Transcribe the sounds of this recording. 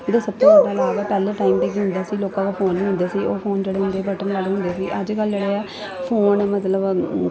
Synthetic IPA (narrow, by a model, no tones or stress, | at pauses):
ɪd̪ãːsəb̚t̪õːad̪aːlaːɡɛːpɛːleːʈaːimʈ̪eːɡiːɦʊnd̪aːsiːloːkãːkoːpʰoːnːĩːɦʊ̃nd̪eːsiːoːpʰoːnd͡ʒeːɽeːɦʊ̃nd̪eːbəʈənlaleɦʊnd̪eːsiːʔəd͡ʒkəld͡ʒeːɽeːɛː | pʰoːnmət̪ləb